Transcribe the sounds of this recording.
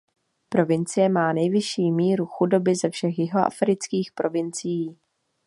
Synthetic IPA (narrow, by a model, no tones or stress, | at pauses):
pɾo̞vɪnt͡sɪjɛmaːnɛjvɪʃiːmiːɾuxudo̞bɪzɛfʃɛxjɪɦoʔa̰fɾɪt͡skiːxpɾʔo̞vɪnt͡sɪjiː